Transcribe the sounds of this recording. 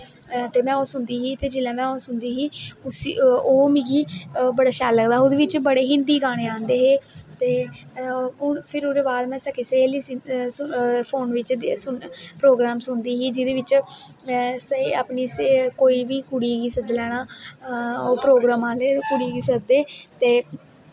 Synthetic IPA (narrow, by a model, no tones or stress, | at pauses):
t̪eːmɛ̃ːoːsʊnd̪iːɦiːt̪eːd͡ʒɪlãːmɛ̃ːoːsʊnd̪iːɦiːʊsioːmĩːɡiːbəɽaːʃaːlːəɡd̪aːʊd̪eːʋɪt͡ʃbəɽeːɦɪ̃nd̪iːɡaːɽ̃eːãːnd̪eːɦeːt̪eː | ʊɳpʰɪɾʊɾeːbaːd̪mɛ̃ːsəkiːseiliːsspʰoːnʋɪt͡ʃsʊnpɾoːɡɾaːmsʊnd̪iːɦiːd͡ʒɪd̪eːʋɪt͡ʃ | siaːpniːskoːiːʋiːkʊɽiːɡiːsəd̪lɛːɽ̃aː | oːpɾoːɡɾaːmãːlekʊɽiːɡiːsəd̪eːt̪eː